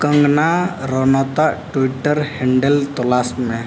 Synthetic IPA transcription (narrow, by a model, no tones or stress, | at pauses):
kə̃ŋɡnaɾɔnat̪aʈwiʈːəɾheɳɖelt̪ɔlasmẽ